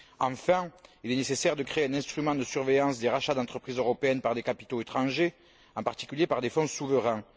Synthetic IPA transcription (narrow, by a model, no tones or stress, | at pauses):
ɑ̃fɛ̃ilɛnesesɛʁd̪əkχeeɛ̃nɛ̃st̪χymɑ̃d̪əsyʁvejɑ̃sd̪eʁaʃad̪ɑ̃t̪χəpχizøʁɔpeɛnpaʁd̪ekapi̥t̪oet̪χɑ̃ʒe | ɑ̃paʁt̪i̥kʲyljepaʁd̪efɔ̃suvəʁɛ̃